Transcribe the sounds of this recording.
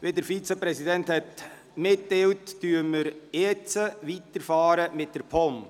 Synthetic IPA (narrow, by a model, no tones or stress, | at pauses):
ʋedəɾfit͡səpɾɛsidɛnthɛt | mɪtːewtːyːəməɾjɛt͡səʋit̪əɾfɑːɾəmɪt̚d̥əɾpʰɔm